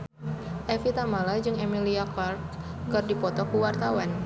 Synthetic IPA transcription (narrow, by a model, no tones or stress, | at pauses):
ʔɛfit̪amalad͡ʒɨŋemiliakart | kɨrdipɔt̪ɔkuwart̪awan